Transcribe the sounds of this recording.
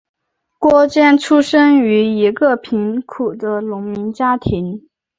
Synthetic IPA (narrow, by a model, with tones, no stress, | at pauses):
kwɔ˥t͡ɕjɛ˥˩nʈ͡ʂʰu˥ʂə˥ŋy˧˥i˧˥ɡə˥˧pʰi˧˥nkʰu˨˩d̪ə˦lʊ˧˥ŋmi˧˥nt͡ɕja˥t̪ʰi˧˥n